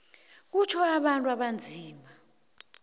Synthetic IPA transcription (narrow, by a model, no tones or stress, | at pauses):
k̬ut͡ʃʰɔaɓantʼwaɓand͡zʱiːma